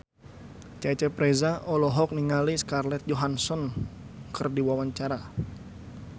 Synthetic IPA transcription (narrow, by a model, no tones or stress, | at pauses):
t͡ʃat͡ʃɛpɾɛzaʔɔlɔɦɔk̚niŋaliskarlɛt̪̚d͡ʒɔɦansɔn | kɨrdiwawaɲt͡ʃaɾa